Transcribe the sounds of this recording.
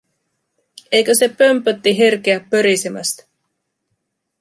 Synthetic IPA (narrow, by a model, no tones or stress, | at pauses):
ejkøse̞pømpøt̪ːiɦirk̟eæpːøɾisemæ̰st̪